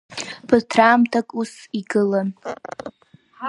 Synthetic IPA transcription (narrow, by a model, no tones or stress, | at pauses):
pʰɨtʰraːmtʰakʼusiɡɨla